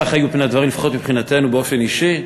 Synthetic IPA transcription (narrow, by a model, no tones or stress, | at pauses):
χajubpnead̪vaʁimlefaχot̪mipχinate̞nubeo̞feniʃi